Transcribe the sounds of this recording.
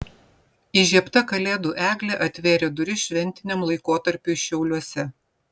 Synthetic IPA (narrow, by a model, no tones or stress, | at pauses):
iʒʲiɛpt̪ɐkɐlʲeːd̪uːʔæːɡlʲeʔɐt̪ʲʋʲeːɾʲed̪ʊɾʲɪʃʲʋʲɛnʲt̪ʲɪnʲɛmlˠɐɪkoːt̪ɐɾʲpʲuːʃʲɛʊlʲuɔsʲɛ